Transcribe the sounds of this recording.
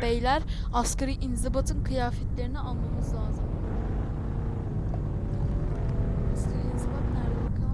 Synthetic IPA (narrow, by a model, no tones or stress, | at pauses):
bejlʲæɾ | askʰaɾiʔinzibat̪ʰɯnkʰɯjaːfɛt̪lʲeɾinialˠmamɯzlˠaːzɯm | askʰaɾiinzibat̪næɾd̪ekʰa